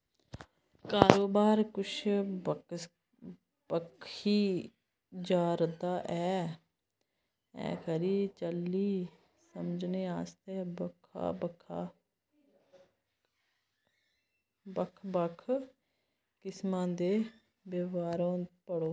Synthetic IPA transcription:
kaːɾoːbaːɾkʊʃ | pəkʰiː | d͡ʒaːɾd̪aːʔɛː | ɛ̰ːkʰəɾiːt͡ʃəlːiː | səmd͡ʒneːaːst̪eːbəkʰa̰ːbəkʰa | bəkʰbəkʰ | kɪsmãːd̪eː | beʋaːɾõːpəɽoː

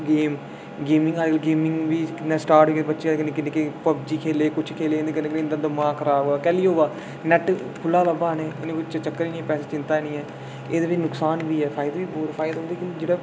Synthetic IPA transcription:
ɡeːm | ɡeːmɪ̃ŋɡaːɡəlɡeːmɪ̃ŋɡʋiːkɪnẽːsʈaːɾʈiːkːbətːʃeːakɪnẽːkɪneːkepəb̚d͡ʒiːkʰeːleːkʊt͡ʃʰkʰeːlẽːnd̪eːkɪnẽːkɪneːnd̪əd̪əmãːkʰəɾaːoaːkɛːliːɦoːʋaː | nɛʈ | kʰʊlːaːləbaːnẽːɪnẽːkʊt͡ʃʰt͡ʃət͡ʃəkːəɾiːnĩːpɛːseːt͡ʃɪ̃nt̪aːinĩːɛː | eːd̪eːbɪt͡ʃnʊksaːnʋiːɛːpʰaːɪd̪ʋiːboːɾpʰaːɪd̪ɦʊ̃nd̪iːkɪnd͡ʒeːɽaː

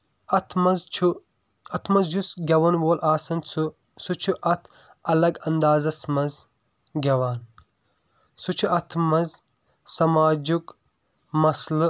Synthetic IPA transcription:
ɐt̪ʰmɐzʰu | ɐt̪ʰmɐzd͡ʒusɡʲɐwɐnwoːlʔaːsɐnt͡sʰu | sut͡ʃʰuʔɐt̪ʰ | ɐlɐɡɐnd̪aːzɐsmɐz | ɡʲɐwaːn | sut͡ʃʰuʔɐt̪ʰmɐz | sɐmaːd͡ʒuk | mɐslɨ

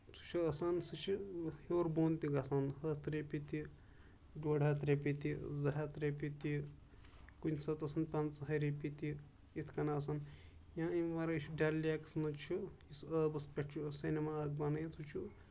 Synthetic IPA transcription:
t͡sʰu̥t͡ʃʰuɐsansɨt͡ʃʰihoːɾboːnt̪iɡasanhɐt̪ɾepit̪i | ɖoːɽat̪ɾʲepit̪izɐɦat̪ɾepit̪i | kunʲsɐt̪ɐsɐnpɐnt͡sɦɐɾepit̪i | it̪ʰkɐnaːsɐnjãːimʋɐɾt͡ʃʰuɖalːiaksmɐt͡ʃʰuisəbɐspʲeʈt͡ʃʰusinemaɐɡ̚banɐjit͡s̪ʰut͡ʃʰu

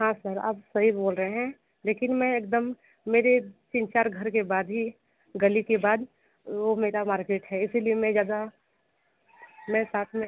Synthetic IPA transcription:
ɦãːsəɾa̰ːbsɐɦiboːlɾəɦeɦɛ̃ | leːkɪnmɛ̃eːk̚d̪əmː | eːɾet͡ʃɪ̃nt͡ʃaːɾɡʱəɾkebaːd̪ɦi | ɡɐlikebaːd̪ | ʋomeːɾamaːɾkeːʈɦɛɪsiliemɛ̃d͡ʒjaːd̪a | mɛ̃saːt̪ʰmẽ

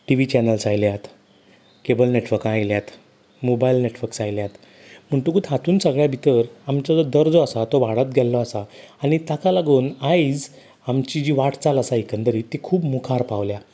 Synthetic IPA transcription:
ʈiʋit͡ɕɛnəlsajljat̪ | kebəlneʈʋəɾkajljat̪ | mobailneʈʋəɾksajljat̪ | m̤əɳʈ̪ukut̪ɦat̪uːnsəɡɭjabʱit̪əɾamt͡ɕad͡zɔd̪əɾd͡zɔasat̪oʋaɽət̪̚ɡʱɛlːɔasaaɽ̃it̪akalaɡuːnajd͡z | amt͡ɕid͡ʑiːʋaʈʰt͡salasaikənd̪əɾiːt̪ikʰuːbmukʰaɾpaʋlja

